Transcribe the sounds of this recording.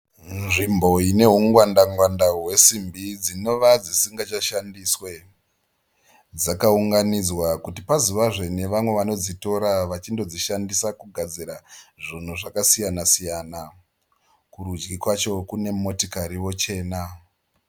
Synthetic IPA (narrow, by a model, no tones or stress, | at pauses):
nʐimbo̞ine̞ɦuŋɡwandaŋɡwandaɦwe̞simbid͡zino̞ʋad͡zisiŋɡat͡ʃaʃandiswe | d͡zakauŋɡanid͡zwakutipazuʋaʐe̞ne̞ʋamwe̞ʋano̞d͡zito̞ɾaʋat͡ʃindo̞d͡ziʃandisakuɡʱad͡ziɾaʐin̤uʐakasijanasijana | kuɾud͡ʒɡikwat͡ʃo̞kune̞mo̞tikaɾiwo̞t͡ʃe̞ːna